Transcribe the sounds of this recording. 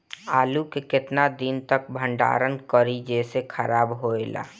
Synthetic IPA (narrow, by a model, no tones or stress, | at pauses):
aːlukekɪt̪nad̪int̪ək̚bʱə̃ɳɖa̰ːɾənkəɾid͡ʒesekʰəɾaːbɦoela̰ː